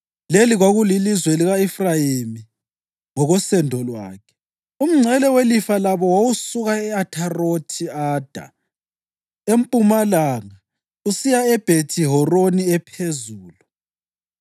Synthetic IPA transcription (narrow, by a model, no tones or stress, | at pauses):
leliɣwaɣulilizwɛliɣaifrajimi | ŋɔɣɔsɛndʱɔlwa̰ːkʰɛ̥ | um̩ŋ͡ǀʱɛlɛwelifalaβɔwawusuɣaɛatʰarotʰiaːd̥ʱa̰ | empʼumalaŋa | usijaɛb̥ʱetʰiɦɔroniɛpʰezuːlu